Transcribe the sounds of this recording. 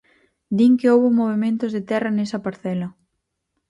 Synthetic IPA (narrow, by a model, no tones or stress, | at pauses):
d̪iŋkɪowβʊmoβ̞emẽnt̪ʊzðet̪ɛrɐnesɐpaɾθɛlɐ